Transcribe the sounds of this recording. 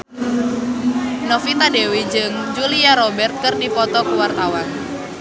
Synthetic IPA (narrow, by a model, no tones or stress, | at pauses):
nɔfit̪adewid͡ʒɨŋd͡ʒuliaɾɔbɛrt̪̚kɨrdipɔt̪ɔkuwart̪awan